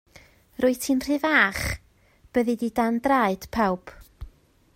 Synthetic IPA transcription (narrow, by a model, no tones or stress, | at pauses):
rʊɨtʰinr̥ɨvaːχ | b̥əðididandraɨd̥pʰawp